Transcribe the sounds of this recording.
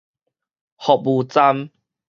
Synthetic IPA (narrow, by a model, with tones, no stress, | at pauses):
hɔ˨bu˨˧t͡sa˦m